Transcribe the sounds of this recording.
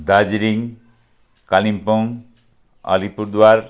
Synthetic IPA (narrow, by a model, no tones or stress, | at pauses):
d̪ad͡ʒiɾiŋ | kalimpɔŋ | ʌ̰lipuɾd̪waɾ